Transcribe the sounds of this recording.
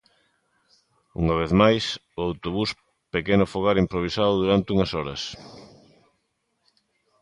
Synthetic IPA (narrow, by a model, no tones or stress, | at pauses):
ṵŋɐβ̞eθmajs | oawt̪oβus | pekenʊfoɣaɾimpɾoβ̞isaðʊðuɾant̪ɪuŋɐsɔɾɐ̰s